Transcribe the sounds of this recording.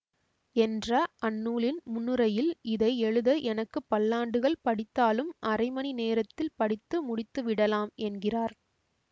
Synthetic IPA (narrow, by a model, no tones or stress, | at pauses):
ɛndrɐʔɐnːuːlɪnmʊnːɯɾɐjɪlɪðɐɪɛɻɯðɐʔɛnɐkːɯpːɐlːaːɳɖɯɣɐɭpɐɽɪt̪ːaːlɯmʔɐɾɐɪmɐnineːɾɐt̪ːɪlpɐɽɪt̪ːɯmʊɽɪt̪ːɯʋɪɽɐlaːmɛnɡɪraːɾ